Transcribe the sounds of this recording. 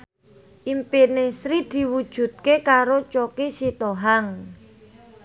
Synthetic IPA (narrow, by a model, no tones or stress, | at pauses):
ʔimpinesɾid̪̥i̤wud̥ʒ̥ṳt̪̚kekaɾot͡ʃokisit̪oɦaŋ